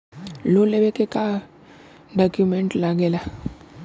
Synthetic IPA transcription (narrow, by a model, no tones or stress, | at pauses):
loleʋekeka | ɖɔːkjumɛ̃ɳʈlaɡeːlaː